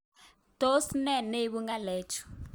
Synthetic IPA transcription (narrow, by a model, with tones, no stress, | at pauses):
d̥o˦snɛ˦˨ne˦ɓu˦ŋɡa˦lɛː˨t͡ʃʰɔ̥˨